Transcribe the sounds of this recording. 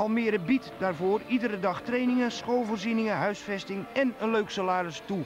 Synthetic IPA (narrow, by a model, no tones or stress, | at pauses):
ɑlˠmɪəɾəbitdaːrvoːridəɾədɑxtrejnɪŋəsχoːlˠvoːrzinɪŋəɦœɥsfɛstɪŋɛnənløɥksolaːɾəstu